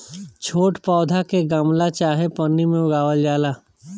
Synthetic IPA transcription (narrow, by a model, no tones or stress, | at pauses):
t͡ʃʰoːʈpɔːd̪ʱakeɡəmlat͡ʃaːɦepənːimẽʊɡaːʋəld͡ʒaːlaː